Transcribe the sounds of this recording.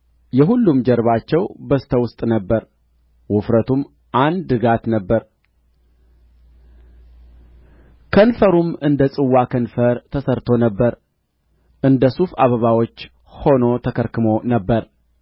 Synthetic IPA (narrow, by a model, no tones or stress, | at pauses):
jɛɦulːumd͡ʒɛɾβat͡ʃːɛwbəsɨ̥t̪ʰəwʊst̪ʼnəbːəɾ | wʊfɾət̪ʰum | ʔand̪ɨɡat̪nəbːəɾ | kʰənfəɾumɨnd̪əsʼɨwːakʰənfəɾt̪ʰəsəɾt̪ʰo̞nəbːəɾ | ʔɨnd̪əsufa̰βəβawo̞t͡ʃː | ho̞no̞t̪ʰəkʰəɾkʰɨmo̞nəbːəɾ